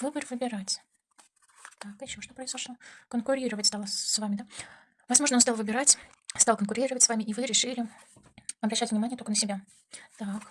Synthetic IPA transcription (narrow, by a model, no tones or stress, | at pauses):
vɨbərvɨbʲɪɾatʲ | t̪akɪɕːɪoʂt̪opɾəɪzzɐʂlˠokənkʊɾʲiɾəvətʲst̪alˠəsvamʲɪd̪a | vɐzmo̞ʐnonst̪ɑlˠvɨbʲɪɾatʲ | st̪ɑlˠkənkʊɾʲiɾəvətʲsvamʲɪʔivɨɾʲɪʂɨlʲɪ | ɐbɾɐɕːætʲvnʲɪmanʲɪjət̪okənəsʲɪbʲa | t̪ak